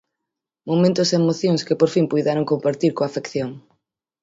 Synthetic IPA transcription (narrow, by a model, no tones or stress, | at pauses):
momẽnt̪ʊseemoθjoŋskepoɾfiŋpujðaɾoŋkompaɾt̪iɾkoafekθjoŋ